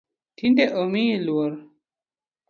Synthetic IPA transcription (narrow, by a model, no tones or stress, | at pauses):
t̪ʰind̪eʔəmĩluwɐɾ